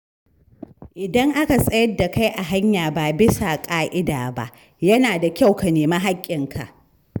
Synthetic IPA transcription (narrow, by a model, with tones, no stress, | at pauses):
ʔɪ˨dɐ˦ŋʔa˦ka˨sʼɐ˦jɐ˦dːa˨ka˦jʔa˨ɦa˦ɲjaː˨baː˨bɪ˦sa˨kʼaː˦ʔɪ˦daː˨ba̰˦ʔ | jɐ˦naː˨da˨kʲa˦˨wka˨neː˨maː˦ɦa˦kʲʼːɪ˨ŋkʰa̰˨ʔ